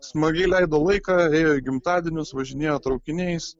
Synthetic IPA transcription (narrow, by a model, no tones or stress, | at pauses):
smɐɡʲɛɪlʲɛɪd̪oːlˠɐɪkɑeːjoːiɡʲɪmt̪ɑːd̪ʲɛnʲʊsʋɐʒʲɪnʲeːjoːt̪ɾɐʊkʲɪnʲɛɪs